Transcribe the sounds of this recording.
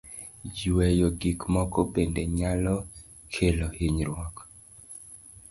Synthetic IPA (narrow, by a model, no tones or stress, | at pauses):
d͡ʒiwɛjɔɡikmɔkɔpendeɲalɔ | kʰelohiɲɾwɔk